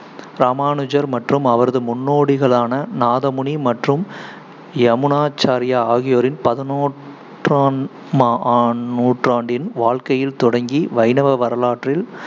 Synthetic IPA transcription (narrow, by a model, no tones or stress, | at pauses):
ɾaːmaːnɯd͡ʒɐɾmɐʈrɯmɐʋɐɾɐðɯmʊnːoːɽɪɣɐɭaːnɐnaːðɐmʊɳimɐʈrɯm | ɛmɯnaːt͡ʃːaːɾɪjaaːɣɪjoːɾɪnpɐðɐnoː | raː | maːuːʈraːɳɖɪnʋaːɻkɐjɪlt̪ɔɽɐŋɡiʋɐɪnɐʋɐʋɐɾɐlaːʈrɪl